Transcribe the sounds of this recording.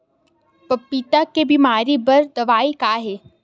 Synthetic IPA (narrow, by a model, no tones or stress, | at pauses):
pɐpːit̪akebimaːɾibɐɾd̪ɐʋaːikaːɦeː